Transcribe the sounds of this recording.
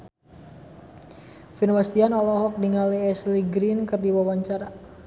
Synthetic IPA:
finwast̪ianɔlɔɦɔk̚diŋaliɛsliɡɾinkɨrdiwawaɲt͡ʃaɾa

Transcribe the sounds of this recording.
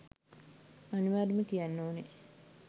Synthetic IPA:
aniʋaːɾimekijanːoːne

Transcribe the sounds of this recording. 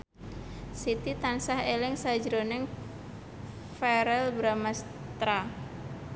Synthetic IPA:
sit̪it̪ansahelɪŋsad͡ʒɾonɛŋ | fɛɾɛlbɾamas | t̪ɾa

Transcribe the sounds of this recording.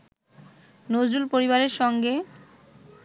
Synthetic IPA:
nod͡ʑulpoɾiβaɾeɾʃɔŋɡe

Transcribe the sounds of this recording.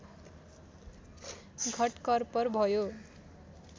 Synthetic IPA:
ɡʱʌʈkʌrpʌrbʱʌjo

